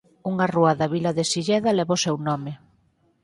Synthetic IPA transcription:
uŋaruaðaβilɐðesiʎɛðɐlɛβaʊsɛwnɔmɪ

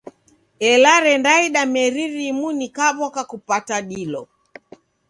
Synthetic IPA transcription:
ɛlaɾɛndaiɗamɛɾiɾimunikaβɔkakupataɗilɔ

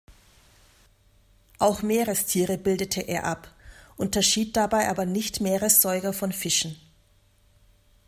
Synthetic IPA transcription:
ʔaʊxmeːʁəstʰiːʁəbɪldətʰəʔeːɐʔapʔʊntɐʃiːt̚d̥abaɪʔaːbɐnɪçtmeːʁəsz̥ɔʏɡɐfɔnfɪʃn̩

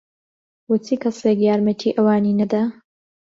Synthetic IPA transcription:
wʊt͡sʰiːkʰɐseːkjaːɾmɐt̪ʰiːʔɐwaːniːnɐd̪a

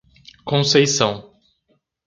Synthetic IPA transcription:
kõsejsɐ̃w̃

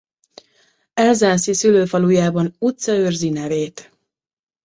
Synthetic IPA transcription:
ɛlzaːnsisyløːfɒlujaːbɒnut̪sɒørzinɛveːt̪

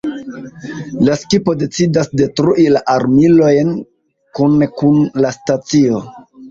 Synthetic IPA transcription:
laskipo̞de̞t͡sidasde̞tɾuʔilaʔaɾmilo̞jn | kunkunlastat͡sio̞

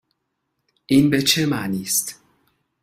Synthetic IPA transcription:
ʔiːnbet͡ʃʰemaːniːst̪

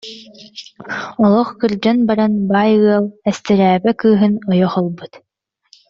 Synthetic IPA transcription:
ɔlˠɔχkɯɾd͡ʑɔnbaɾanbaːjɯɐlˠɛst̪ɛɾæːbɛkɯːɦɯnɔjɔχɔlˠbɯt̪

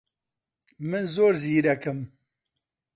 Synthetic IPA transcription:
mɨnzoːɾziːɾɛkɨm

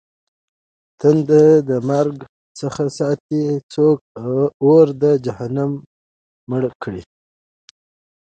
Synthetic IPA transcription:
t̪ənd̪əd̪əmaɾɡ | səxasɑːt̪it͡sok̚awoɾd̪əd͡ʒahanamː | əɽkʰɽi

